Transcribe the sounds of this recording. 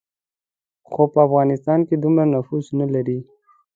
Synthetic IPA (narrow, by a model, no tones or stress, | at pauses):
xopəafɣɑnɪst̪ɑnked̪umɾanʊfuznalaɾi